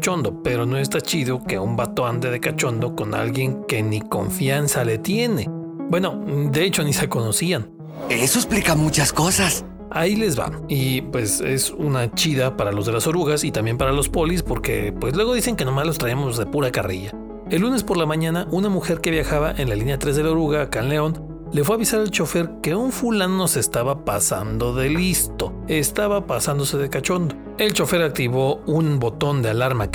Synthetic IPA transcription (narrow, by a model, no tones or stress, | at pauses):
t͡ʃo̞nd̪o̞pe̞ɾo̞no̞e̞s̬t̪at͡ʃiðoke̞umbat̪oand̪eðe̞kat͡ʃo̞nd̪o̞ko̞na̰lɣje̞ŋke̞niko̞̰ɱfjansale̞t̪je̞ne̞ | bwe̞no̞d̪e̞et͡ʃo̞nise̞ko̞no̞sian | esoesplikamut͡ʃaskosas | aile̞zβa̰ipwe̞se̞̰sunat͡ʃiðapaɾalo̞zð̞e̞laso̞ɾuɣasit̪ambje̞mpaɾalo̞spo̞lispo̞ɾke̞̰pwe̞slwe̞ɣo̞ðise̞ŋke̞nomazlost̪ɾaemo̞zðe̞puɾakariʝa | elːune̞spo̞ɾlamãɲãnaʔunamuxe̞ɾke̞βjaxaβaʔe̞nlalinjat̪ɾe̞zðeloɾuɣakanle̞o̞n | le̞fwe̞aβisaɾalt͡ʃo̞fe̞ɾke̞uɱfulanno̞se̞st̪aβapasa̰nd̪o̞ðe̞list̪o̞ | e̞st̪aβapasand̪o̞seðe̞kat͡ʃo̞nd̪o̞ | e̞lt͡ʃo̞fe̞ɾak̚t̪iβo̞unbo̞t̪o̞nd̪ealaɾma